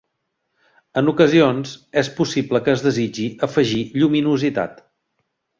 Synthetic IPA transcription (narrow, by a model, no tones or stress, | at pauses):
ənukəzionzɛspusibləkəːzðəzid͡ʒiʔəfəʒiʎuminuzit̪a̰t̪